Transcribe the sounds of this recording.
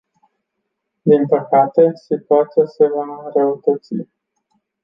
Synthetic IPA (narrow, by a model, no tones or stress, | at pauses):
d̪inpəkat̪e̞sit̪uat̪sijase̞vanɾeut̪ət̪sḭ